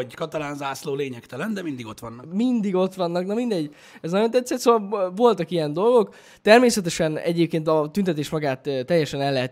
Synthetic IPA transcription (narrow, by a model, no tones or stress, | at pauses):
kɒt̪ɒlaːnzaːsloːleːɲɛkt̪ɛlɛnd̪ɛmind̪iɡo̞t̪ʋɒnːɒmind̪iɡo̞t̪ʋɒnːɒknɒmind̪ɛɟː | ɛznɒɟjo̞nt̪ɛt̪sɛt̪soːvɒlvo̞lt̪ɒkijɛnd̪o̞lɡo̞k | t̪ɛrmeːsɛt̪ɛʃɛnɛ̰ɟeːpkeːnt̪ɒt̪ynt̪ɛt̪eːʃmɒɡaːt̪ːɛjːɛʃɛnɛlːɛɦɛt̪